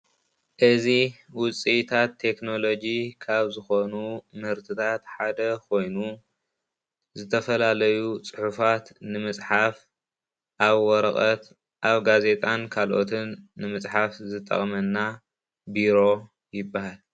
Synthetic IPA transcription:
ʔɨziwʊt͡sʼit̪ʰat̪ʰːe̞kno̞lo̞d͡ʒikʰaβzɨxo̞numhɨɾt̪ʰɨt̪ʰat̪ħad̪ɐkʰo̞jnu | zɨt̪ʰɐfɐlalɐjut͡sʼɨħufat̪nɨmɨt͡sʼħaf | ʔaβwɔɾɐχʼɐt̪ | ʔaβɡaze̞t̪ʼankʰalʔo̞t̪ʰɨnːɨmɨt͡sʼħafzɨt̪ʼːɐ̰χʼmɐnːa | biɾo̞ | jɪbːahal

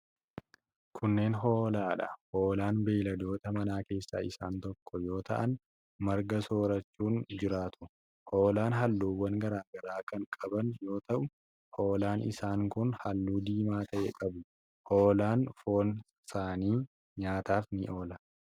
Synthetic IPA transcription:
kʰʊnːe̞ːnɦo̞ːlaːᶑɐhoːlaːnbeːlɐd̪o̞ːt̪ɐmɐnaːke̞ːsːa̰ːɪsa̰ːnt̪ɔkːɔjo̞ːt̪ɐ̰ʔɐn | mɐɾɡɐso̞ːɾɐt͡ʃːuːnd͡ʒɪɾaːt̪ʊ̥ | ho̞ːlaːnɦɐlːuːwːɐŋɡɐɾaːɡɐɾaːkɐŋkʼɐbɐnjo̞ːt̪ɐʔʊ | hoːlaːnɪ̰saːŋkʊnhɐlːuːd̪iːmaːt̪ʰɐʔɛ̰kʼɐbʊ | hoːlaːnfo̞ːn | saːniː | ɲaːt̪aːfnɪʔo̞ːlɐ

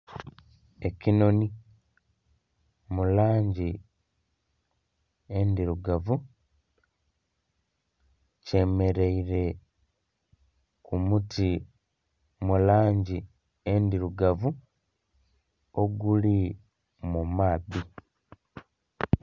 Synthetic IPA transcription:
e̞cino̞ni | mulaːɲɟi | endiɾuɡavu | ce̞me̞ɾe̞iɾe̞ | kumuti | mulaːɲɟi | endiɾuɡavu | oɡuli | mumaːði

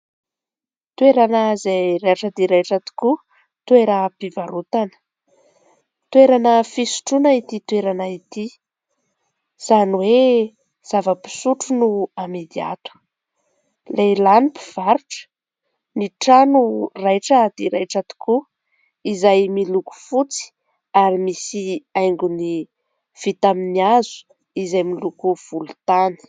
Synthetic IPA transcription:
t̪weɾanəzejrajʈ͡ʂad̪iɾajʈ͡ʂat̪u̥ku | t̪weɾəpivaɾut̪anə̥ | t̪weɾanəfisu̥ʈ͡ʂunait̪it̪weɾanait̪i | z̥aniwe | z̥avəpi̥suʈ͡ʂunuamid̪ia̰t̪u̥ | lelanipi̥v̥aɾuʈ͡ʂə̥ | niʈ͡ʂanurajʈ͡ʂəːd̪̥iɾajʈ͡ʂat̪u̥ku | izajmiluku̥fut͡si̥ | aɾimisiajŋɡuni | v̥it̪aminiazu̥ | izajmilukuv̥ulut̪ani̥

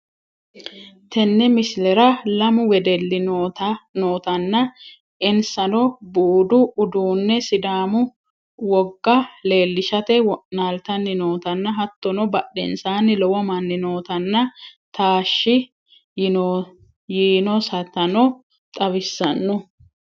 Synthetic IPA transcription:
t̪ɛnːɛmɪslɛɾɐlɐmʊwɛd̪ɛlːɪnot̪ɐnoːt̪ɐnːɐ | ʔɪnsɐnɔbuːd̪ʊʊd̪uːnːɛsɪd̪aːmʊ | wɔɡːɐle̞ːlːɪʃɐt̪ɛwɔʔnaːlt̪ɐnːɪnoːt̪ɐnːɐɦɐt̪ːɔnɔbɐɗːɛ̰nsaːnːɪlɔwɐmɐnːɪno̞ːt̪ɐnːɐt̪aːʃːɪ | jiːnɔsɐt̪ɐnɔ | t̪ʼɐbɪsːɐnːɔ

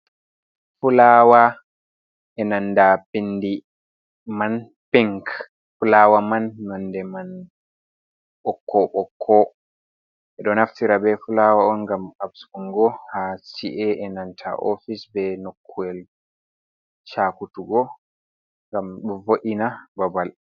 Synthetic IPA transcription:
fulawa | ʔɛnanːdapindi | man | pɛŋk | fulaːwamanːɔndɛman | ɓɔkːɔɓɔkʰːɔ | ʔɛɗɔnaftiɾabɛfulawaɔnɡamabsuŋɡɔhasiʔɛʔɛnantʰa̰ʔo̰fisbɛnokʰːuɛl | t͡ʃakutuɡɔ | ŋɡamɗɔvoʔinababal

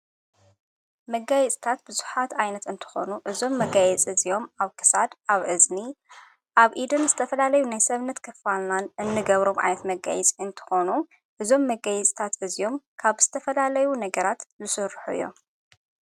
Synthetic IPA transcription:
mɐɡajɛt͡sʼt̪ʰat̪̚bɨzuħat̪ajnɐt̪ɨnt̪ʰɨ̥xo̞̰nuʔɨzo̞mːɐɡajɛt͡sʼizijo̞maβkʰɨ̥sad̪aβʔɨzni | ʔaβʔid̪ɨnzɨt̪ʰɐfɐlalɐjunajsɐβnɐt̪kʰɐfalnanʔɨnːɨɡɐβɾo̞mʔa̰jnɐt̪mɐɡa̰jɛt͡sʼiɨnt̪ʰɨ̥xo̞nu | ʔɨzo̞mːɐɡajɛt͡sʼt̪ʰat̪ɨzijo̞mkʰaβz̥ɨ̥t̪ʰɐfɐlalɐjunɐɡɐɾat̪zɨsɨɾħuɨ̰jːo̞̰m

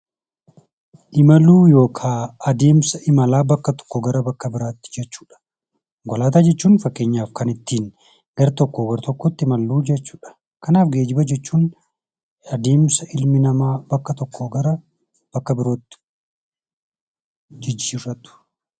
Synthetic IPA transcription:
ʔɪmɐluːjo̞ːkʰaːɐd̪e̞ːmsɐʔɪmɐlaːbɐkːɐt̪ɔ̥kːɔɡɐɾɐbɐkːɐbɪɾaːt̪ːɪ̥d͡ʒɛt͡ʃːu̥ːᶑɐ̥ | ɡɔlaːt̪aːd͡ʒɛt͡ʃːuːnfɐkːe̞ːɲːaːfkɐnɪt̪ːiːn | ɡ̥ɐɾɐt̪ɔkːoɡɐɾt̪ɔkːɔt̪ːɪɪmɐlːuːd͡ʒɛt͡ʃːu̥ːᶑɐ̥ | kɐnaːfɡe̞ːd͡ʒɪbɐd͡ʒɛt͡ʃːuːn | ɐd̪eːmsɐʔɪlmɪnɐmaːbɐkːɐt̪ɔkːoɡɐɾɐ | b̥ɐkːɐbɪɾo̞ːt̪ːɪ̥ | d͡ʒɪd͡ʒːiːɾɐt̪ʊ̥

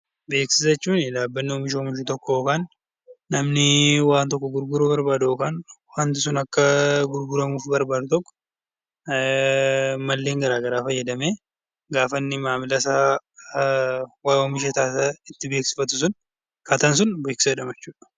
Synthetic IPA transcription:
be̞ːksɪsɛt͡ʃːuːnɪd̪aːbːɐnːɪɔmɪʃ̬ɔmɪʃɪt̪ɔkːɔjoːkaːnː | ɐmnɪwaːnt̪ɔkːɔɡʊɾɡʊɾobɐɾbaːd̪ɐoːkaːnwant̪ɪsʊnɐkːɐɡʊɾɡʊɾɐmuːfbɐɾbaːd̪ʊt̪ɔkːɔ̥ | mɐlːe̞ːŋɡɐɾaːɡɐɾaːfɐjːɐd̪ɐmeː | ɡaːfɐnːɪmaːmɪlɐsaː | waɔmɪʃ̬ɛt̪aːsɐɪt̪ːɪbe̞ːksɪ̥fɐt̪ʊs̬ʊn | kɐt̪ɐns̬ʊnbe̞ːksɪ̥sɐd̪ɐmɐt͡ʃːuːᶑɐ̥

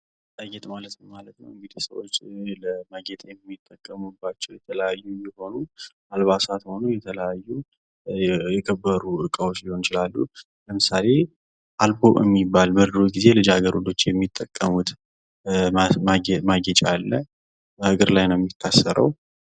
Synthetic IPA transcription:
t̪ʼəɡɛt̪ʼmalət̪nəwmalət̪nə̰wɨŋɡd̪isəwo̰t͡ʃːləmaɡɛt̪ʼjɛmːit̪ʼːəkʼːəmubːat͡ʃːɛwjɛt̪ʰələjajːujɪho̞nu | alβasat̪ho̞nujɛt̪ʰələjajːu | jɛkʰəbːəɾuʔɨkʼəwo̞t͡ʃːjɪho̞nt͡ʃɪlalːu | ləmɨsale̞ | ʔalboʔɨ̰mːibːalbəɾd̪ɾoɡize̞lɨd͡ʒaɡəɾud̪o̞t͡ʃːjɛmːit̪ʼːəkʼːəmut̪ | maɡɛt͡ʃʼalːə | ɨɡɨɾlajnəwjɛmːit̪ʰːasːəɾʔə̰w

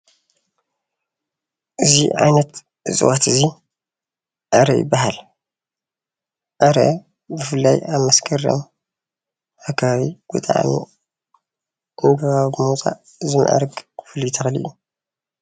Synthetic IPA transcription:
ʔɨzḭʕa̰jnɐt̪ | ɨzʼɨ̰wat̪ɨzi | ʔaɾɐʔjɪ̰bːaɦal | ʔɐɾɐ̰ | bɨfɨlːajaβmɐskʰɐɾɐ̰m | ʔakʰːaβaβiɡ̥ut̪ʼaʕa̰nḭ | ʔɨŋɡɐβaβɨmut͡sʼa̰ʔ | zɨm̰ʔa̰ɾɡɨfɨlːujt̪ʰɐxlḭʔu

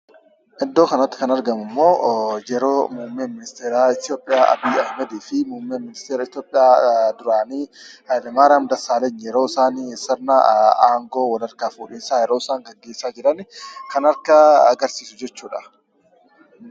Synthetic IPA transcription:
ʔɪd̪ːo̞ːkɐnɐt̪ːɪ̥kɐnɐɾɡɐmʊmːo̞ːjɛɾoːmʊmːeːmɪnɪst̪eːɾaːɪt̪jo̞ːpʼːɪjaːʔɐ̰biːɐhmɐd̪iːfɪmumːeːmːɪnɪst̪eːɾɐɪt̪joːpʼɪjaːd̪ʊɾaːniːhɐjlɛmaːɾɐmd̪ɐsaːlɛɲːjɛɾoːɪsaːnisɐɾnaaːŋɡo̞ːwɐlɐɾkaːfuːᶑɪːnsaːjɛɾoːɪsaːŋɡɐɡːeːsaːd͡ʒɪɾɐnɪkɐnɐɾkaːɡɐɾsiːsʊd͡ʒɛt͡ʃːuːᶑɐ

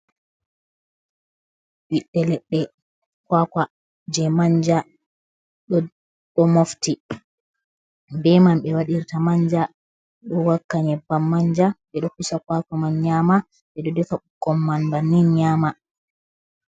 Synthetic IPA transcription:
wiɗːɛlɛɗːɛ | kwaka | d͡ʒɛmaɲd͡ʒa | ɗɔ | ɗɔmofti | bɛmamɓɛwaɗiɾtamaɲd͡ʒa | ɗɔwakːaɲɛbamːaɲd͡ʒaɓɛɗɔkusakwakamanɲama | ɓɛɗɔdɛfaukːɔmːanbanːinɲaːma

